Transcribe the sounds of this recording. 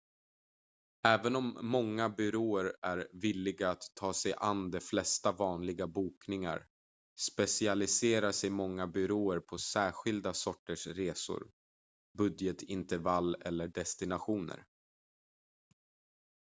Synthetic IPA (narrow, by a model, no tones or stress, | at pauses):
ɛːvənɔmːɔŋːabʏɾoːəɾæɾvɪlːɪɡaːt̪ʰːɑːsɛjʔa̰nd̪ɛflɛst̪avɑːnlɪɡabuːknɪŋa̰ɾ | spɛsɪalɪseːɾaʂɛjmɔŋːabʏɾoːəɾpʰɔsæːɾɧɪld̪asɔʈːəʂɾeːsʊ̰ɾ | bɵd̪jət̪ʰɪnt̪əɾvalːɛ̰lːəɖɛst̪ɪnaɧuːnə̰ɾ